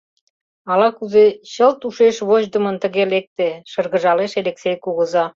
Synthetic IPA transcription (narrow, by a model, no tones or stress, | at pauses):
ɑlɑkuzeɕəlt̪uʃeʃβoʑd̪ə̆mə̆nt̪ə̆ɣelek̚t̪eʃə̆rɣə̆ʒɑleʃeleksejkuɣə̆zɑ